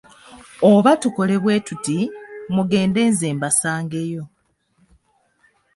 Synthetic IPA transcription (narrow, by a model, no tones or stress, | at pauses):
oβatuko̞le̞βwe̞ːtutimuɡe̞ːnde̞ːnzeːmbasaːŋɡe̞jo̞